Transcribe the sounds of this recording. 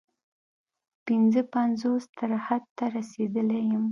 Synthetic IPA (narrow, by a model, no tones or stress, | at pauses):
pɪnzəpanzost̪aɾhad̪̚t̪aɾased̪əlejəm